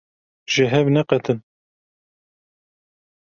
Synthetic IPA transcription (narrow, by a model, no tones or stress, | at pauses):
ʒ̥ɪɦɛvnɛqɛt̪ʰɨn